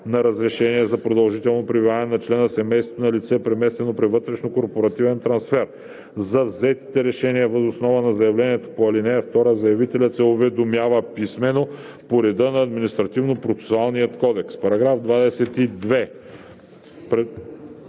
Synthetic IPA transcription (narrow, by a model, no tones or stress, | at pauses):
nɐɾɐzɾɛʃɛniɛzɐpɾod̪ɐlˠʒit̪ɛlˠnopɾibivanɛnɐt͡ʃlɛnəsɛmɛjst̪ot̪onɐlit̪sɛpɾɛmɛst̪vɛnopɾivɤt̪ɾɛʃnokoɾpoɾɐt̪ivɛnt̪ɾɐnsfɛɾ | zɐvzɛt̪i̥t̪ɛɾɛʃɛniəvəzosnɔvɐnɐzɐjɐvlɛniɛt̪o̥poɐlinɛjɐft̪ɔɾəzɐjɐvit̪ɛlʲət̪sɛovɛd̪omjavəpismɛno | poɾɛd̪ənɐːd̪minist̪ɾɐt̪ivnopɾot̪sɛ̥soalˠnijət̪kɔd̪ɛkspɐɾɐɡɾafd̪vad̪ɛsɛt̪id̪vɛ | pɾɛ